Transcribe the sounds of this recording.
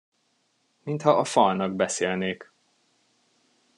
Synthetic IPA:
mint̪hɒʔɒfɒlnɒɡbɛseːlneːk

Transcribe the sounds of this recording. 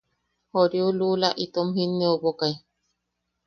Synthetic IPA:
hoɾjululaʔit̪omhinːeoβokai

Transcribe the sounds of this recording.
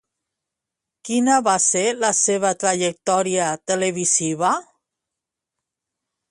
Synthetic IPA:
kinaβaselaseβ̞at̪ɾaʒek̚t̪ɔɾiat̪eleβisiβa

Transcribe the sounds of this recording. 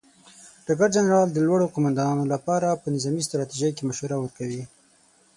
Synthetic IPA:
ɖ̥aɡaɾd͡ʒanɾɑld̪əlwaɽoqʊmand̪ɑnɑnolapɑɾapənɪzɑmist̪ɾɑt̪iʒajkemaʃwaɾawəɾkawi

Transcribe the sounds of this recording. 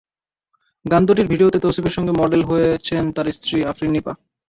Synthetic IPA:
ɡand̪oʈ̬iɾbʱiɖiot̪et̪osibeɾʃɔŋɡemɔɖelɦoet͡ɕʰent̪aɾest̪ɾiafɾinːipa̰

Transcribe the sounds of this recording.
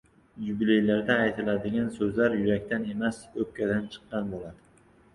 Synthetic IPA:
jublejlaɾd̪aːjt̪ʰɪlad̪ɪɡʲansɵzlaɾjʊɾakʲt̪ane̞masɵp̚kʲad̪ant͡ʃʰɨ̥qːɑnbolˠad̪ɪ

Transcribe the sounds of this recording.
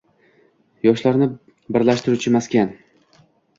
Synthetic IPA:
jɒʃlaɾnɪ | bɪɾlaʃt̪ɪɾut͡ʃʰɪmaskʲan

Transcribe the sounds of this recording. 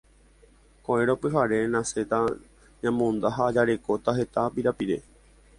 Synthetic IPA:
koeɾopɨɦaɾe̞nãse̞t̪a | ɲãmõnd̪aɦaːd͡ʒaɾe̞ko̞t̪aɦe̞t̪apiɾapiɾe̞

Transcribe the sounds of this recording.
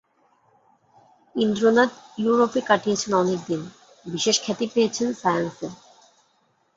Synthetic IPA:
ind̪ɾonad̪juɾopekaʈʰijet͡ɕʰenɔnek̚d̪in | biʃeʃkʰɛt̪ipejet͡ɕʰenfajanse

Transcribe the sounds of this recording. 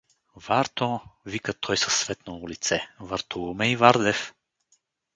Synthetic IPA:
vaɾt̪ɔ̃vikət̪ʰɔjsɐ̥sːvɛt̪noʊlit̪sɛvaɾt̪uumɛivaɾd̪ɛf

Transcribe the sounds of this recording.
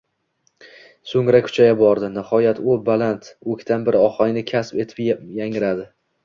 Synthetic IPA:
soŋɾakʰʊ̥t͡ʃʰajabɒɾd̪ɪnɪhɒjat̪ʊbalant̪ɵkʲt̪ʰanbɪɾɪɒhɒjnɪkʲʰaspe̞t̪ʰɪ̥pjaŋɪɾad̪ɪ

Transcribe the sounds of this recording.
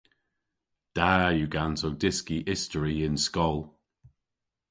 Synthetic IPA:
d̥ajuɡanzowdɪskiʔɪstəɹiɪ̃nskɔlˠ

